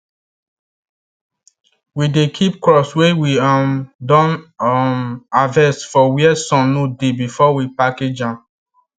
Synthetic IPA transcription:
widekʰip̚kɹɔswewiamdɔ̃nmavɛstfɔwiɛsɔ̃nodebifɔwipaked͡ʒã

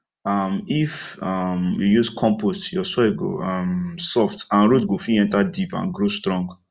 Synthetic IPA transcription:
ʌmifʌmjujuskʰɔ̃mpostjɔsɔiɡo̰ʌmsɔftãnɹodɡofiɛ̃ntadipã̰nɡɹostɹɔ̃ŋɡ

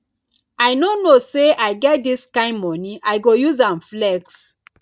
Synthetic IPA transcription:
aɪnonoseaɪɡɛt̚diskãɪ̃mmɔniajɡojuzãnflɛks

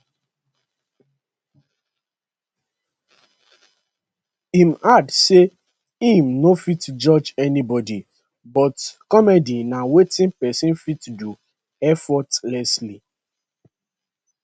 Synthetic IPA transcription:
imadse | ĩmnofitd͡ʒɔd͡ʒɛnibɔdi | bɔtkɔmɛdinawetĩnpɛsĩnfitdu | ɛfɔtlɛsli

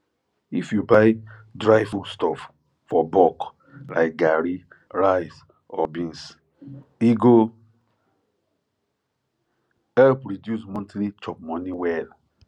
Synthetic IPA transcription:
ifjubaɪdɹajfulstɔf | fɔbɔk | la̰ɪk̚ɡaɹi | ɹajs | ɔbĩns | iɡo | ɛlpɹidjusmɔ̃ntlit͡ʃɔp̚mɔ̃niwɛl

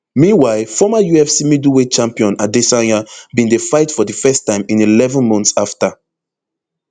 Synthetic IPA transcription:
mĩnwaɪfɔmajuɛfsimiduwet͡ʃãmpiɔ̃nadesãabĩndefaɪtfɔdifɛstãɪ̃mĩnilɛvɔ̃nmɔ̃ntsafta

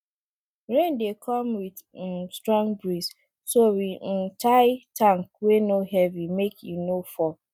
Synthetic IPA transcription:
ɹẽndekʰɔmwid | stɹɔ̃ŋɡbɹis | sowin̩taɪtãŋkwenoɦɛvimekʰjunofɔ

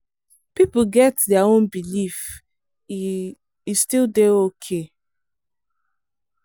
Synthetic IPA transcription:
pipuɡɛtdɛaõnbilif | istildeokʰe

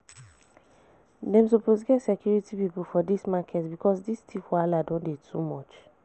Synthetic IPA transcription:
dɛ̃msoposɡɛtsɛkjuɹitipipulfɔdismakʰɛtsbikɔsdistʰifwaladɔ̃ndetʰumɔt͡ʃ

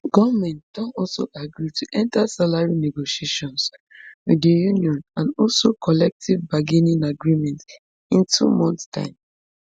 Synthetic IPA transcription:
ɡ̥ɔvmɛ̃ntd̥ɔ̃nɔlso̰ʔaɡɹituʔɛ̃ntasalaɹineɡoʃieʃɔ̃nswidəjuniɔ̃nãnɔlsokʰɔlɛk̚tʰivbaɡenĩnaɡɹimɛ̃nt | ĩntʰṵmɔ̃nttã̰ɪ̃m

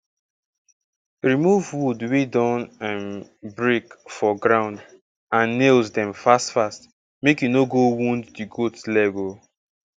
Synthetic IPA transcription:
ɹimuvwudwedɔ̃nãnbɹekfɔɡɹãʊ̃nd | ãnːelzdɛ̃mfastfast | mekjunoɡowũnddiɡotlɛvo

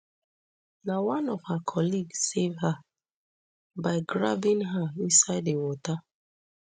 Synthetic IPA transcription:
nawanɔv̥hakʰɔliɡssevɦa | baɪɡɾa̰bɪŋɦaisaɪdewɔta

